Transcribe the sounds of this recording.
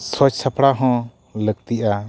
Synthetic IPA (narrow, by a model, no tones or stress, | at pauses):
sɔt͡ʃsapɽaɦɔ̃ | lək̚t̪iʔa